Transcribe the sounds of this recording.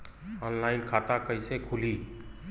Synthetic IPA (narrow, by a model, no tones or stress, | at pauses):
ɔːnlaːɪnkʰaːt̪akəɪsekʰʊliː